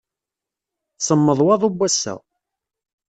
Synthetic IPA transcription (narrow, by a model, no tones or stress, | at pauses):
səmːəðˤwɑðˤubʷːæsːæ̰